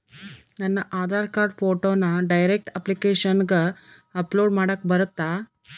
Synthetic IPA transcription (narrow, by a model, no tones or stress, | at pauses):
nanːaʔad̪ʱaɾkaɾɖfoʈonaɖajɾek̚ʈaplikeɕənɡə | əploɖmaɽak̚bəɾt̪ːa